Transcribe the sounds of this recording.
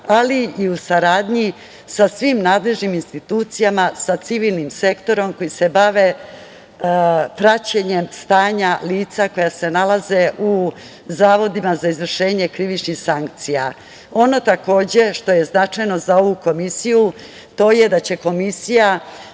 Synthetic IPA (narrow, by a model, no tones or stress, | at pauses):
aliiusaɾaːd̪ɲi | sasʋimnaːd̪le̞ʒniminst̪it̪uːt̪sijamasat̪siʋiːlˠnimse̞kt̪o̞ɾo̞mko̞jise̞baʋe̞ | pɾat͡ɕeɲe̞mst̪aːɲaliːt̪sako̞jase̞nalaze̞ʔu | zaːʋo̞d̪imazaizʋr̩ʃe̞ːɲe̞kɾiʋit͡ʃnixsaŋk̚t̪sija | o̞no̞t̪ako̞ːd͡ʑe̞ʃt̪o̞je̞znat͡ʃajno̞zao̞ʋuko̞misiju | t̪o̞ːje̞d̪at͡ɕe̞ko̞misija